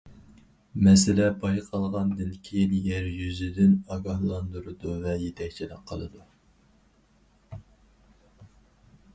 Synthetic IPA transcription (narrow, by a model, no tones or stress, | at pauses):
mɛsɪlɛbɑjqʰɑlˠʁɑnd̪ɪlkʲʰinjɛɾjyzɪd̪ɪnɑɡɑhlˠɑnd̪uɾɨd̪uvɛjet̪ʰɛkʲt͡ʃʰilɪqʰːəlˠɨ̰d̪u